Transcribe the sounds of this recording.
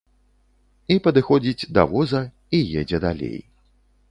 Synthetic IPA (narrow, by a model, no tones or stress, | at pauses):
ipɐd̪ɨxɔd͡zʲid͡zʲd̪ɐ̰vɔzɐ | ijed͡zʲɛd̪alʲḛj